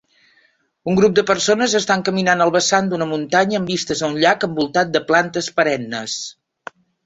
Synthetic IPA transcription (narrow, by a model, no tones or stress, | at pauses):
uŋɡɾup̚d̪əpərsonəzəst̪aŋkəminanəlˠβəsand̪unəmunt̪aɲəːmbist̪əzəunʎakəmbulˠt̪at̪̚d̪əplant̪əspəɾɛnːə̰s